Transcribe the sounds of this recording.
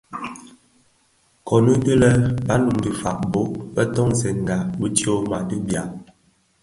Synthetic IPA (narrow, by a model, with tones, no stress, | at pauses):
kʰɔ˨nu˦də˦lə˦ba˦nu˨m˦di˨fa̰˨ʔbo˦bə˦tɔ˦ŋzɛ˨ŋ˨ɡa˨bə˦ti˦o˦ma˨di˦bja˨ʔ